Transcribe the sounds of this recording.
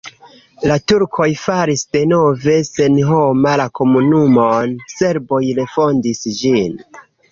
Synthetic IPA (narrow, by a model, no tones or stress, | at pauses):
latuɾkʰo̞jfaɾisde̞no̞ve̞se̞nɦo̞malako̞munumonse̞ɾbo̞jɾe̞fo̞ndisd͡ʒin